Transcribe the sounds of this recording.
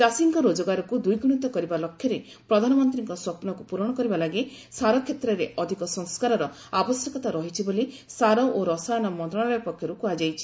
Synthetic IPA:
d͡ʒasiŋkɔɾod͡ʒɔɡaɾɔkud̪ujɡɽ̃ut̪ɔkɔɾibalɔkʰːjɔɾe | pɾɔd̪ʱanɔmɔnt̪ɾiŋkɔswɔpnɔkupuɾɔɽ̃ɔkɔɾibalaɡe | saɾɔkʰjet̪ɾɔɾeʔɔd̪ʱikɔsɔŋskaɾɔɾɔ | abɔsjɔkɔt̪aɾɔɦit͡ʃʰibolisaɾɔʔoɾɔsajɔnɔmɔnt̪ɾɔɽ̃abjapɔkʰjɔɾukuad͡ʒajt͡ʃʰi̥

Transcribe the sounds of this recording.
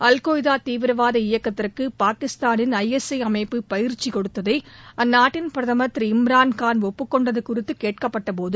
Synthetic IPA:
ɐlkoːjɪðaːt̪iːʋɪɾɐʋaːðɐɪjɐkːɐt̪ːɪrkɯpaːkɪst̪aːnɪnɐjɛsɐɪɐmɐɪpːɯpɐjɪɾt͡ʃːikɔɽɯt̪ːɐðɐɪɐnːaːʈːɪnpɪɾɐðɐmɐt̪ɾɪmɾaːnkaːnɔpːɯkːɔɳɖɐðɯkʊrɪt̪ːɯkeːʈ̚kɐpːɐʈːɐp̬oːðɯ

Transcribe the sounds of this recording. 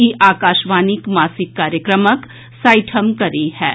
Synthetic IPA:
iʔaːkaːʃʋaːnɪkmaːsɪkːaːɾjəkɾəmək | saːɪʈʰəmkɐɾihɛː

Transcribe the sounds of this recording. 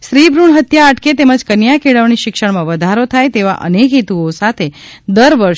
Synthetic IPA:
ʃɾibɾuɳɦət̪jaəʈket̪eməd͡ʒkənjakʰeɭəʋniʃɪkʃəɳmãʋəd̪ʱaɾot̪ʰajt̪eʋa̰ʔə̰nekɦit̪uosat̪ʰe | d̪əɾʋəɾʃ

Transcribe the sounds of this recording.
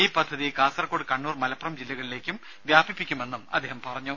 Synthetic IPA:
iːpɐd̪ʱːɐðikaːsɐrɐkːoːɽɨkɐɳːuːrmɐlɐprɐmd͡ʑilːɐɣɐɭile̞ːkʲːum | ʋjaːbipːikʲːume̞nːumɐ̰d̪ːeːhɐmpɐrɐɲːu

